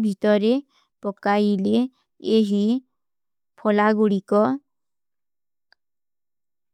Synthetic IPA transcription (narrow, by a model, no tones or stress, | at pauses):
bʱit̪ɔɾe | pɔkaile | eɦi | pʰɔlaɡuɽikɔ